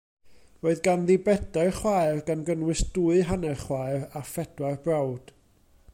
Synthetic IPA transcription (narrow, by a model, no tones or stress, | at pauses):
oɨðɡanðɪbɛdarχwaɨrɡanɡənwɨsd̥uɨɦanɛrχwaɨrafɛd̥warbrawd̥